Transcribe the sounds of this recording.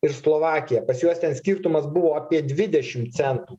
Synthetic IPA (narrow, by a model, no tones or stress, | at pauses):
ɪɾslˠoːʋɑːkʲɪjɛpɐsjuɔst̪ʲɛnsʲkʲiːɾt̪ʊmɐsbʊʋoːɑpʲiɛd̪ʲʋʲɪd̪ʲɛʃʲɪmt̪sʲɛnt̪uː